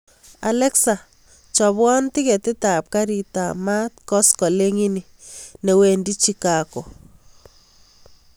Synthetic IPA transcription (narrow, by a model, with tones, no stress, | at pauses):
a̰˨lɛ˦ksa˨ | t͡ʃɔ˨bwɔ˦nti˦kɛ˨tɪ˦ta˨p̚ka˦ɾi˨ta˨ma˦t̚kɔ˦skɔ˨le˦ŋi˦ni˨ | ne˨we˨ndi˦t͡ʃi˦kako˨